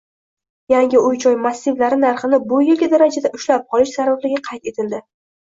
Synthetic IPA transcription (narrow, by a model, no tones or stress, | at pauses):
jaŋʲɪʊjt͡ʃʰɒjmasːɪvlaɾɪnaɾχɨnɪbʊjʲɪlɡʲɪd̪aɾad͡ʒad̪aʔʊʃlap̚qʰɒlɪʃsaɾvablɪɡʲaqʰɑjt̪e̞t̪ʰɪld̪ɪ